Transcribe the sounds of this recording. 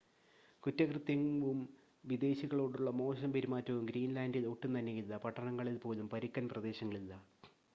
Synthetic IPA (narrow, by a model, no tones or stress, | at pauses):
kutːɐkrɨt̪jɐŋʋum | ʋid̪e̞ːɕiɣɐɭoːɽuɭːɐmo̞ːɕɐmpeɾimaːtːɐʋumɡɾiːnlaːndiloʈːumt̪ɐnːejilːɐpɐʈːɐɳɐŋːɐɭilpo̞ːlumpɐɾikːɐnprɐd̪e̞ːɕɐŋːɐɭilːɐ